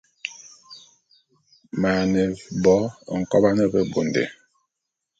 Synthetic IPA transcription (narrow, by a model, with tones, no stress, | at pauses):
ma˨ne˨bɔ˨˦˨ŋ̩˨kɔ˦ba˦nɛ˦be˦bo˨ndḛ˨